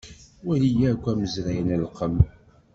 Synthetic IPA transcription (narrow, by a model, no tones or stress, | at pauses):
wælijækʷːæməzɾæjnælqəm